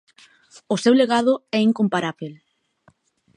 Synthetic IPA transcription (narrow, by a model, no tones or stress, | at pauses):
ʊsewleɣaðʊɛiŋkompaɾaβel